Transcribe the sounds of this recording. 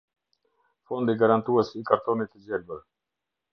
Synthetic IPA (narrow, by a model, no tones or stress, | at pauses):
fɔnd̪iɡaɾant̪uəsikaɾt̪ɔnit̪əd͡ʑɛlbəɾ